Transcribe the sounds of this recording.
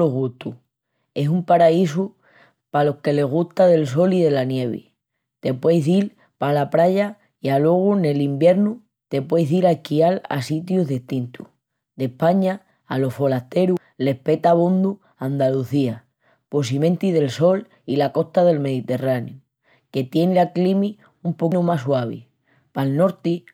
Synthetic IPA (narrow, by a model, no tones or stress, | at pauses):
oɣut̪u | e̞sumpaɾaisu | palo̞hke̞le̞ɣ̞uht̪aðe̞ls̬o̞lið̞e̞lanje̞β̞ḭ | t̪e̞pwe̞jðil | palapɾaʎa | ialwe̞ɣ̞une̞limbje̞ɾnu | t̪e̞pwe̞jɦðiɾakiala̰sit̪juɦðit̪int̪u | d̪e̞hpaɲaː | lo̞fo̞last̪e̞ɾu | le̞hpe̞t̪aβond̪u | and̪aluθia | po̞simẽ̞nt̪ið̞e̞lso̞l | ilako̞st̪aðe̞lme̞ðit̪e̞ranj̰u | ke̞t̪je̞nlaklimi | umponumaswaβ̞ḭ | palno̞ɾt̪i